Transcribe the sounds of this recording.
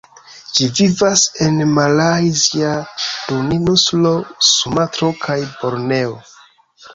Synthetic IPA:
d͡ʒivivase̞nmalajziaduninuslo̞sumatɾo̞kʰajbo̞ɾne̞o

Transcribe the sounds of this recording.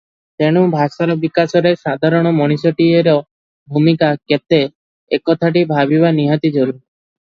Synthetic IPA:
t̪eɽ̃ubʱasaɾɔbikasɔɾeʃad̪ʱaɾɔɽ̃ɔmɔɽ̃isɔʈieɾɔ | bʱumikaket̪e | ekɔt̪ʰaʈ̬ibʱaβiβaniɦat̪id͡ʒoɾuɾi

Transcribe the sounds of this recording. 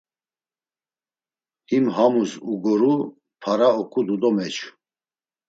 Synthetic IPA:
himɦamusuɡɔɾu | pʰaɾaɔkʰʼud̪ud̪ɔmɛt͡ʃʰu

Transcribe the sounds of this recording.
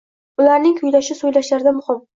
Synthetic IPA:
ʊlaɾnɪŋkʰʊjlaʃɪsojlaʃlaɾɪd̪amʊχɒb

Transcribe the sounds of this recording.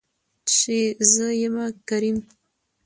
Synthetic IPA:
ʂezəjəmakaɾim

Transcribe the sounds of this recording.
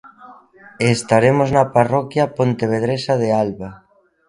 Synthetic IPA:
est̪aɾemoznaparɔkjapont̪eβ̞eð̞ɾesaðealβa

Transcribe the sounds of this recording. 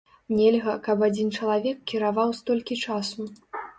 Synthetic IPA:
nʲɛlʲɣɐkɐpad͡zʲint͡ʂɐlˠavʲɛkːʲiɾavawst̪ɔlʲkʲit͡ʂasu

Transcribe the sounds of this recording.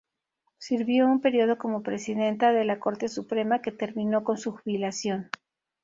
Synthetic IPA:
siɾβjo̞umpe̞ɾjo̞ð̞o̞ko̞mo̞pɾe̞siðe̞nt̪aðe̞lako̞ɾt̪e̞supɾe̞make̞t̪e̞ɾmĩno̞ko̞nsuxuβilasjo̞n

